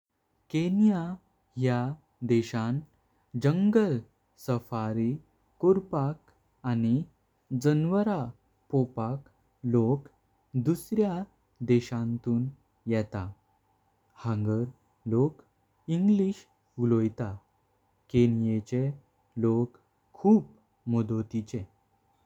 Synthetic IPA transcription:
kenja | ja | d̪ɛɕãn | d͡ʑəŋɡəl | səfaɾi | kuɾpak | ani | d͡zənʋəɾa | pɔpak | lok | d̪usɾja | d̪ɛɕãnt̪uːn | jɛt̪a | hãŋɡəɾ | lok | iŋɡliɕ | ɡulojt̪a | kenjet͡ɕe | lokʰː | uːp̚ | mɔd̪ot̪it͡ɕe

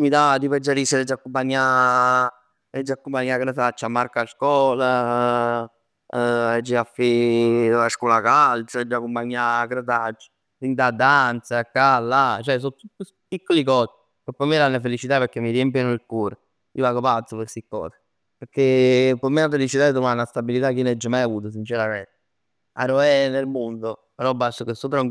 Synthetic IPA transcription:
mid̪ad̪ipɛd͡ʒːaɾiseɾɛd͡ʒːakːumpaɲːa | ɛd͡ʒːiakːumpaɲːaɡɾət̪at͡ʃːamːaɾkaskwɔːla | ɛd͡ʒːiafe | askɔlakalt͡ʃaɛd͡ʒːakːumpaɲːaɡɾət̪at͡ʃː | ɾind̪ad̪ːant̪sakːalːat͡ʃɛs̬ɔt̪ːut̪ːus | pikːolikɔːsi̥ | kopːɔmːelanːafelit͡ʃit̪apeɾkːemːiɾiempinoilkuːɾo | ḭovaɡopat̪sːopeɾsikːɔ̰ːse̥ | peɾkːepɔmenafelit͡ʃit̪aet̪omanːast̪abilit̪akːinɛd͡ʒːəmajavuːt̪̬os̬int͡ʃɛɾament̪e | a̰ɾoɛnelmond̪o | peɾɔbːasokesːot̪ɾauŋ

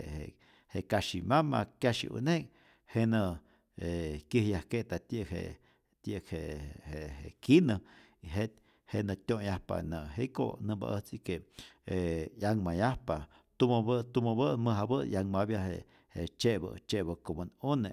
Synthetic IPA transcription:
ḛ | hekaʃimama̰kjaʃḭṵnek | henə | ekəhjahket̪at̪əkhḛ | t̪jəkhehehekinə | iɦet̪ | henət̪ʲjojahpa̰nəɦeko̰nəba̰ʔət͡sikeejaŋmajahpa | t̪umbət̪umobəməɦabəjaŋmabjaɦḛ | het͡ʃebə̰t͡ʃebəkomonone

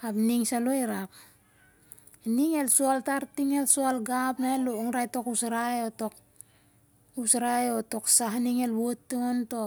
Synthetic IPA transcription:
apniŋsaloiɾap̚ | niŋe̞lsualtaɾtiŋe̞lsualɡapnalooŋɾajto̞kusaɾajotok̚ | usɾajoto̞ksaɦniŋelβotːuonto

